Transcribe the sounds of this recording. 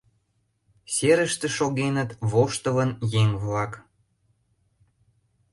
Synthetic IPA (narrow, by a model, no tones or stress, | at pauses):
seɾəʃt̪ĕʃoɣenət̪βoʃt̪əβənjeŋβlɑk